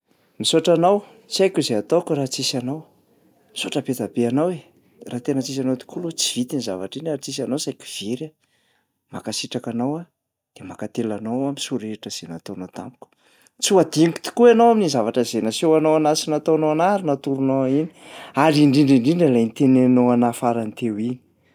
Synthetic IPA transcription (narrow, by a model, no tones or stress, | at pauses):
misoʈ͡ʂanaw | t͡siajkʲuzeat̪owkuɾat͡sisanaw | misoʈ͡ʂəpet̪abeanawe | raːt̪enət͡sis̬anowt̪i̥kʰulut͡si̥v̥it̪inizavaʈ͡ʂinaɾit͡sis̬anowsajku̥v̥eɾa | ma̰kasiʈ͡ʂakanawa | d̪̥emakat̪elanowaminsuɾeʈ͡ʂəz̥enat̪onot̪a̰mpu̥kʲu̥ | t͡siad̪iŋki̥t̪i̥kuanowaminizavaʈ͡ʂəzenasewanoanasinat̪onoanaɾinat̪uɾunoaini̥aɾiɳɖ͡ʐiɳɖ͡ʐiɳɖ͡ʐiɳɖ͡ʐalajnit̪enenoanafaɾanit̪ewini̥